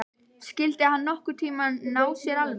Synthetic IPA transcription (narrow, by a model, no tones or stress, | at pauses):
scɪlt̪ɪahanːɔhkʏɾ̥t̪ʰiːmannaːwsjɛɾalv